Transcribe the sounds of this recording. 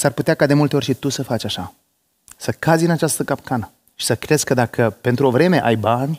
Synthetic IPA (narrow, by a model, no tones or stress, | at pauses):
sarput̪eakad̪e̞mult̪e̞orʲʃit̪usəfat͡ʃʲaʃa | səkazʲɨnat͡ʃast̪əkapkʰanə | ʃi̥səkɾez̥ʲkəd̪akʰəpe̞nt̪ɾuo̞vɾe̞me̞ʔajbanʲ